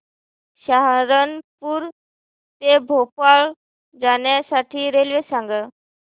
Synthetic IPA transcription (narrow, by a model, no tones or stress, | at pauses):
ɕaɦɾənpuːɾ | t̪ebʱopaɭ | d͡zaɳjasaʈʰiːɾelʋesãŋɡə